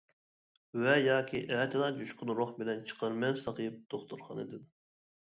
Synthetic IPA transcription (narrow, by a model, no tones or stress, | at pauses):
vɛjɑːkʲʰiʔɛːt̪ʰɪnɑd͡ʒuʃqɨnɾoχbɪlɛnt͡ʃʰə̥qəɾmɛnsɑqʰəjɨp̚t̪ʰoχt̪uɾχɑnɨ̰d̪ɨd̪